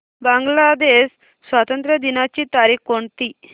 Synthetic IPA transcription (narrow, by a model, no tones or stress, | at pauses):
baŋɡlad̪esː | ʋat̪ənt̪ɾəd̪inat͡ɕit̪aɾikkoɳt̪i